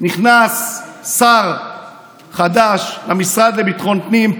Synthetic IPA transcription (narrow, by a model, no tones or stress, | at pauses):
niχnasːaʁ | χad̪aʃlamisʁad̪lebit̪χo̞npnim